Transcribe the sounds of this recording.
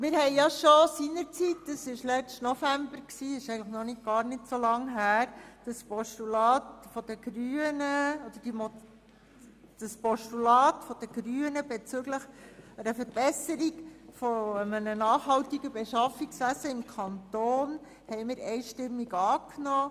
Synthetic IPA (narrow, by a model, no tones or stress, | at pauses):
mɪːɾhɛɪjɑʃosinəɾt͡sitd̥əsɪʃlɛt͡stnɔfæmbəɾksiːɪʃɛɪɡŋləχnɔnɪt̚ɡ̥ɑːɾnɪtsolɑŋɦæːɾd̥əspɔʃtulɑːtfɔd̥̪əɡ̥ɾyːənəɔd̥̪əd̥imɔ | d̥əspɔʃtulɑːt̪fɔd̥əɡ̥ɾyːənəbɛt͡sʏɡləχəɾəfəɾb̥ɛsəɾiɡfɔəmənənɑːχɦɑlt̪iɡəbɛʃɑfiksʋæsəɪmkʰɑnt̪oːn | hɛɪmɪːɾɛjʃtɪmːiɡɑːknɔː